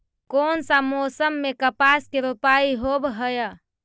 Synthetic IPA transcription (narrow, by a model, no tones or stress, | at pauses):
konsamosəmːekəpaskeɾupaiɦobɦəjə